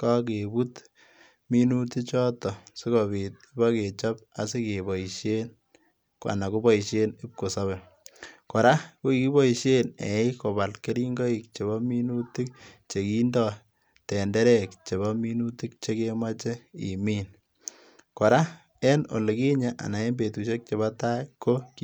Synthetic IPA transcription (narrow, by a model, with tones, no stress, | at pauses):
ka˦k̬e˨bu˦t | mi˦nu˦ti˦t͡ʃɔ˦tɔ˨si˦kɔ˨βi˨t̚i˦ba˦ke˨t͡ʃɔ˦p̚a̰˨si˦ke˨bɔ˨iʃje˦n | kwa̰˨na˨ko˦bɔ˦i˨ʃe˦nɪ˦p̚ko˨sa˦βɛ˨ | kɔ˨ɾa˦ko˦i˨ki˦bɔ˦i˨ʃe˦nḛ˨ɪ˦ko˨ba˨lke˦ɾi˦ŋɡɔ˦i˨k̚t͡ʃe˨βɔ˦mi˦nu˦ti˦k̚t͡ʃe˨ki˦ndɔ˦ | tɛ˨ndɛ˦ɾɛ˦k̚t͡ʃe˨βa˦mi˦nu˦ti˦k̚t͡ʃe˦ke˦ma˦t͡ʃe˦ḭ˨miː˦n | kɔ˨ɾa˦ | ɛ˦no̰˨le˨ki˦ɲa˦ʔa̰˨na˨e˦mbe˨tu˨ʃe˦k̚t͡ʃe˨βa˦ta˦kːo˦k